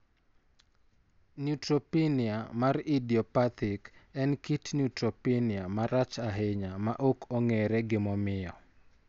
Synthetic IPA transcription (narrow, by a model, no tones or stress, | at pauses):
njutɾopinɪamaridiɔpat̪ɪkɛnkitnutɾopiniamaɾat͡ʃaɦeɲamaʔokʰoŋeɾɛɡɪmɔmɪɔ